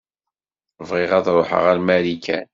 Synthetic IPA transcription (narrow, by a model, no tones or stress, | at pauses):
vʁɪʁæðɾoħə̰ʁæɾmæɾikʰæ̰n